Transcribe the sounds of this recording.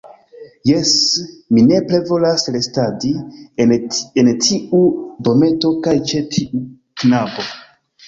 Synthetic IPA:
jesmine̞ple̞vo̞laslestadi | entʰiʔudo̞me̞to̞kajt͡ʃe̞tʰiu | knabo̞

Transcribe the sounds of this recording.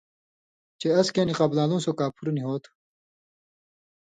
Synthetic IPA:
t͡ɕeɐskeːniqɐblãːlũːsokaːpʰuɾniɦoːt̪ʰ

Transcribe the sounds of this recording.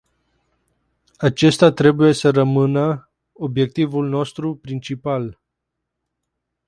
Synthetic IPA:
at͡ʃe̞st̪at̪ɾe̞buje̞səɾəmɨnə | o̞bje̞k̚t̪ivulno̞st̪ɾupɾint͡ʃipal

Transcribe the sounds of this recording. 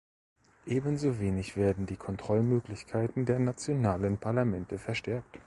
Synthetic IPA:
ʔeːbənzoːveːnɪçv̥eːɐdn̩diːkʰɔntʁ̥ɔlmøːklɪçkʰaɪtn̩deːɐnat͡sjonaːlənpʰaɐlamɛntəfɛɐʃtɛɐk̚t

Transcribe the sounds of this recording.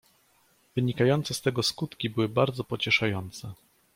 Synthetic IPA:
vɘɲikajɔnt̪sɛst̪ɛɡɔskut̪kʲibɘwɘbaɾd̪zɔpɔt͡ɕɛʂajɔnt̪sɛ

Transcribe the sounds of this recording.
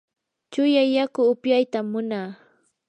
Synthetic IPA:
t͡ʃʊjajakʊːpjajt̪amːʊnaː

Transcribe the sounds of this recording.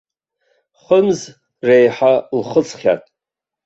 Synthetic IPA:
χəmz | rejħalχət͡sʰʼχʲa̰tʼ

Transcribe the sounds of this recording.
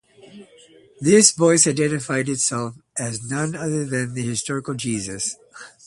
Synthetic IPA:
ðɪsvɔɪsaɪdɛ̃ñɨfaɪɾɨtsɛlˠfʔɨznʌ̃nʌðə˞ðɨ̃nðɨhɨstɔɹɨkl̩ˠd͡ʒizɨs

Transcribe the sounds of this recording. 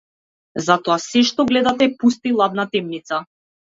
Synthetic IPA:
zat̪ɔasɛʃt̪ɔɡlɛd̪at̪ɛpust̪ilˠad̪nat̪ɛmnit̪sa

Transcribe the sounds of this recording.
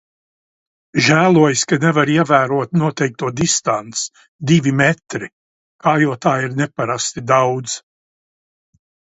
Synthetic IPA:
ʒæːlˠuɔjskanɛvaɾiɛvæːɾuɔt̪nuɔt̪ɛjk̚t̪uɔd̪ist̪ant̪s | d̪ivimɛt̪ɾi | kaːjuɔt̪aːiɾnɛpaɾast̪id̪awd̪z

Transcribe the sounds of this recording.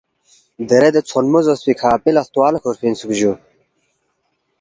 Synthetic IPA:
d̪ɐɾed̪et͡sʰonmozospikʰaːpilɐst̪uwaːlɐkʰoɾfʰinsukʑu

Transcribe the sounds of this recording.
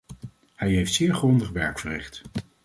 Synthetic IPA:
hɛjɦejftsɪːɹχrɔndəχʋɛɹkfərɪ̰χt

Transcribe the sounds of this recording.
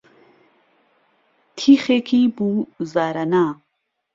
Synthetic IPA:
t̪ʰixekʰibuzaɾɐnaː

